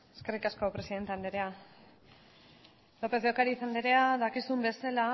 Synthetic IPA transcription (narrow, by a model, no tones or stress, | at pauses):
eske̞rikasko̞pɾesiðe̞nt̪e̞and̪eɾea | lo̞pe̞zðeokaɾiːsand̪eɾeaðakisumbe̞sala